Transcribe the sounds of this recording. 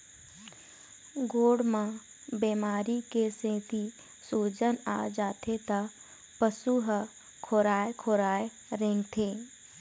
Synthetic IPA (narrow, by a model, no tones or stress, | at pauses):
ɡoːɽmã | beːmaːɾikesẽːt̪i | suːd͡ʒəna̰ːd͡ʒaːt̪ʰet̪a | pəsuɦ | kʰoːɾaːekʰoːɾaːe | ɾẽŋɡt̪ʰeː